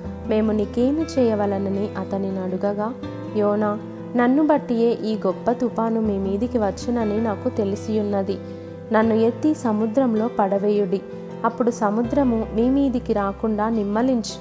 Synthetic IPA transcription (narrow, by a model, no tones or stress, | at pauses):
me̞ːmunikeːnit͡ʃɛːjɐʋɐlɐniniʔɐt̪ɐninɐɽuɡɐɡaː | jɔːnaː | nɐnːubɐʈːije̞ːʔiːɡɔpːɐt̪upaːnumiːmiːd̪ikiʋɐt͡ʃːunɐninaːkut̪e̞lisijunːɐd̪i | nɐnːuet̪ːisɐmud̪ɾɐmlo̞ːpɐɽɐʋeːjuɽi | ɐpːuɽusɐmud̪ɾɐmumiːmiːd̪ikiɾaːkuɳɖaːnimːɐliɲt͡ʃi